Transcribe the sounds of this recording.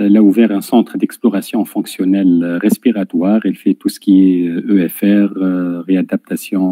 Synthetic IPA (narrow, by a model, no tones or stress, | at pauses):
ɛlauvɛʁɛ̃sɑ̃t̪χəd̪ɛksplɔʁasjɔ̃fɔ̃ksjɔnɛlʁɛspiʁat̪waːʁɛlfɛt̪usə̥kʲiɛøɛfɛʁʁead̪ap̚t̪asjɔ̃